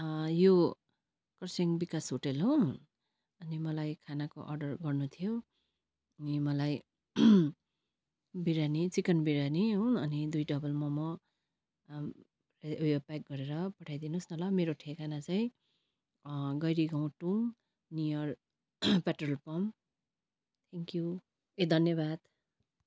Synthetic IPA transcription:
jo | kʌrseŋbikasɦoʈelɦo | ʌnimʌlajkʰanako̰ʔʌ̰rɖʌrɡʌrnut̪ʰijo | nimʌlaj | biɾanit͡sikʌnbiɾaniɦoʌnid̪ujɖʌbʌlmʌmʌ | eojopak̚ɡʌɾeɾʌpʌʈʰajd̪inusnʌlʌmeɾoʈʰekanat͡saĩ | ɡʌjɾiɡaw̃ʈuŋm | nijʌr | paʈrʌlpʌm | t̪ʰeŋkju | ed̪ʱʌnjʌbad̪

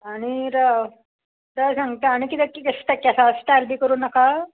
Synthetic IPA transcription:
aɽ̃iɾa | ɾəsãŋɡt̪əaɽ̃ikit̪ekːikəst̪ɛkjasasʈaɾbiːkəɾuːnːaka

